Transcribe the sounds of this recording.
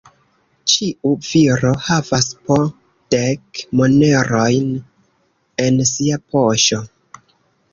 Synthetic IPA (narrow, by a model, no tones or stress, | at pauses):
t͡ʃiʔuviɾo̞havaspo | d̥ekmone̞ɾo̞jn | e̞nsiapʰo̞ʃo